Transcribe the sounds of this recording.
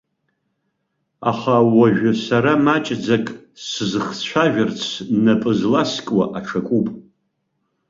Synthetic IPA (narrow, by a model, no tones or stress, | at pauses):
aχawaʒᶣasaɾamat͡ʃʼd͡zakʼsɨzɨχt͡ɕʷʰaʒᶣart͡sʰnapʼɨzlaskʼwaʔaʈ͡ʂʰakʷʼupʼ